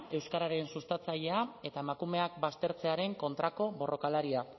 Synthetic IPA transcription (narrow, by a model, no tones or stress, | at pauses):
e̞wskaɾaɾe̞nsust̪at͡saʎe̞ae̞t̪aemakume̞ak̚bast̪e̞ɾt͡se̞aɾe̞ŋko̞nt̪ɾako̞βo̞ro̞kalaɾia